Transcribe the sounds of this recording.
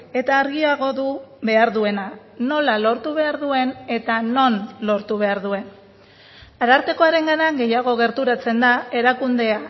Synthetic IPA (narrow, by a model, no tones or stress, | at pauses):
e̞t̪aːɾɣiaɣo̞ðuβe̞aɾðue̞na | no̞lalo̞ɾt̪uβ̞e̞aɾðue̞ne̞t̪ano̞nlo̞ɾt̪uβ̞e̞aɾðue̞n | aɾaɾk̪e̞ko̞aɾe̞ŋɡanaŋɡe̞jaɣ̞o̞ɣ̞e̞ɾt̪uɾat͡se̞nd̪ae̞ɾakund̪e̞a